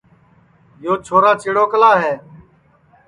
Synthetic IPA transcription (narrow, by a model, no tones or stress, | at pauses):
joːt͡ʃʰoːɾaːt͡ʃeːɽoːkəlaːɦeː